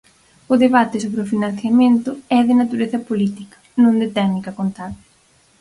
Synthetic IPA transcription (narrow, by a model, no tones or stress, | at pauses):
ʊðeβat̪ɪsoβɾeʊfinãn̟θjɐmẽnt̪ʊɛðɪnat̪uɾeθɐpolit̪ikɐ̥nõnd̪ɪt̪ɛɣnikɐkont̪aðɪ